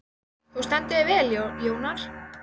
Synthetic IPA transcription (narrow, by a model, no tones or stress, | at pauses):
hust̪ant̪ɪɪvɛljojoːwnaɾ̥